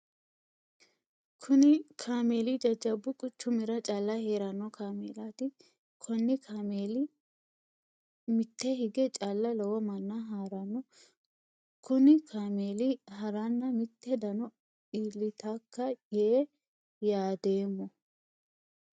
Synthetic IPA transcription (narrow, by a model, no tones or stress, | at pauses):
kʰʊnɪkʰaːme̞ːlid͡ʒɐd͡ʒɐbːʊkʼʊt͡ʃːʊmɪɾɐt͡ʃʼaːlːɐhe̞ːɾɐnːɔkʰaːmeːlaːt̪ɪ | kʰɔnːɪkʰaːmeːlɪ | mɪt̪ːɛhɪɡɛt͡ʃʼaːlːɐlɔwɔmɐnːaɦaːɾɐnːɔ | kʊnɪkʰaːmeːliɦɐɾanːɐmɪt̪ːɛd̪ɐnɔ | iːlːɪt̪akːɐje | jaːd̪eːmːɔ